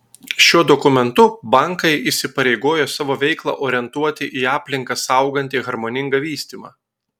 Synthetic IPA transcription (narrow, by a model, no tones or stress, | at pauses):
ʃʲuɔd̪ɔkʊmʲɛnt̪ʊbɐˑŋkɐɪʔisʲɪpɐɾʲɛɪɡoːjoːsɑːʋoːʋʲɛɪklˠɑ̰ːʔoːɾʲɪɛnt̪uɔt̪ʲɪʔiːɑːpʲlʲɪŋkɐsɑʊɡɐnʲt̪ʲiɣɐɾmoːnʲɪŋɡɐʋʲiːsʲt̪ʲiːmɑ̰ː